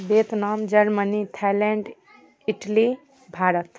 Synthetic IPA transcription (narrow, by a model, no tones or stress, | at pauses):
bet̪namd͡ʒəɾmənit̪ʰalɛɳɖ | iʈli | bʱaɾət̪